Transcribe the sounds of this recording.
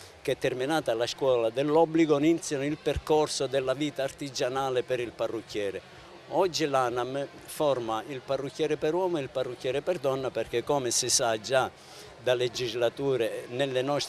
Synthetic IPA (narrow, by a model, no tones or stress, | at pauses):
kɛt̪ːɛrminaːt̪alaskwɔːlad̪ɛlːɔbːliɡoinint̪sjanilperkɔrsod̪ɛlːaviːt̪aːrt̪id͡ʒanaːlɪpɛɾilparːukːjɛːɾɪ | ɔd͡ʒːilanam | fɔrmailparːukːjɛːɾɪpɛɾwɔːmoilparːukːjɛːɾɪpɛrd̪ɔnːaperk̟ɛkːɔmɪsɪsad͡ʒa | d̪aled͡ʒizlat̪uːɾenelːɪnɔst̪